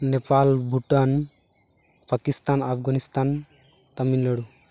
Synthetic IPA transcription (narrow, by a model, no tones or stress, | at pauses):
nepalbʱuʈan | pakist̪anapɡanist̪an | t̪aminləɽu